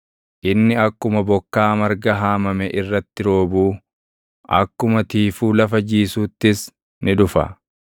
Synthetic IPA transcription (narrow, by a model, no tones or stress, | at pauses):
ʔɪnːɪɐkːʊmɐbɔkːaːmɐɾɡɐɦaːmɐmɛʔɪrːɐt̪ːɪɾo̞ːbuː | ʔɐ̰kːʊmɐt̪iːfuːlɐfɐd͡ʒiːsuːt̪ːɪs | nɪᶑʊfɐ̰